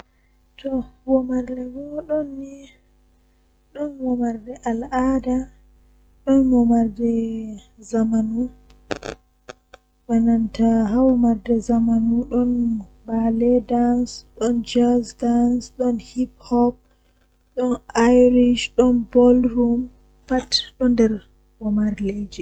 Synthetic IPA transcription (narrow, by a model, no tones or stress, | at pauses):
tʰɔwɔmaɾdɛmɔɗɔnːi | ɗɔnwɔmaɾdɛʔalʔada | ɗɔnwɔmaɾdɛ | zamanu | wanantaɦawmaɾdɛzamanuɗɔn | balɛdansɗɔnd͡ʒasdansɗɔnhiphɔp̚ | ɗɔnajɾiʃɗɔnbɔlɾum | patɗɔndɛɾ | wɔmaɾled͡ʒi